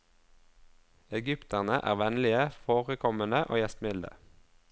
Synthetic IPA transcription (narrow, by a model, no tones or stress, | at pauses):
ɛɡʏpt̪æʁnəʔæ̰ːʁʋɛnlɪəfoːʁəkʰɔmənəʔo̰ːjɛst̪mɪld̪ə̰